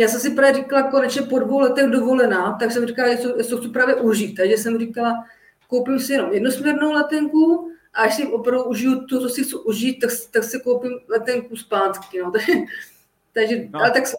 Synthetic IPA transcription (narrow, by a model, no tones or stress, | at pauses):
jaːsɛmsɪpɾaːvjɛɾikalako̞nɛt͡ʃɲɛpo̞dvowlɛt̪ɛɣdovo̞lɛnaːt̪aksɛmrikalajɛt͡sojɛt͡soxt͡supɾaːvjɛʔuʒiːt̪̚t̪ːaɡʒɛsɛmrikala | kowpɪmsɪjɛno̞mjɛdnusmʲɲɛɾnowlɛt̪ɛŋkuʔaʔaʃsɪmopɾavduʔuʒɪjut̪ot͡s̪osɪxt͡suʔuʒiːt̪̚t̪ːakst̪aksɪkowpɪmlɛt̪ɛŋkuspaːt̪kɪnot̪aɡʒɛ | t̪aɡʒɛaɛt̪aks